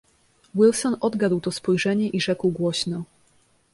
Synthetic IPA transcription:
wilsɔnɔd̪ɡad̪wt̪ɔspɔjʐɛɲɛʔiʐɛkwɡwɔɕnɔ

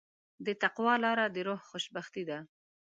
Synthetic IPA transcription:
d̪ət̪aqwɑlɑɾad̪əɾohxoʃbaxt̪id̪a

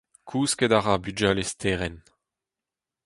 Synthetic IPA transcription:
kʰuːskɛdaʁabyd͡ʒalestʰeːʁɛn

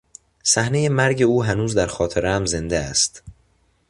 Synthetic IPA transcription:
sæhne̞jemæɾɟe̞uːɦænuːzd̪æɾxɒːt̪ʰeɾeæmze̞nd̪eæ̰st̪

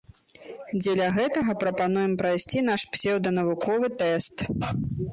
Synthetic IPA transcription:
d͡zʲɛlʲɐɣɛt̪ɐɣɐpɾɐpanujɛmpɾajsʲt͡sʲinaʂpsʲɛwd̪ɐnɐvukʰɔvɨt̪ɛst̪

